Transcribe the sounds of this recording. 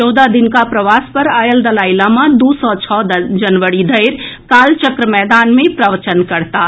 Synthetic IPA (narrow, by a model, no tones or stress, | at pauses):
t͡ʃɔwd̪ad̪ɪnkapɾəʋaːspəɾaːjəld̪əlaːɪlamãd̪usɔt͡ʃʰɔːd͡ʒənʋəɽid̪ʱəɪɾkaːlt͡ʃəkɾəmɛːd̪aːnmẽpɾəʋət͡ʃənkəɾt̪aː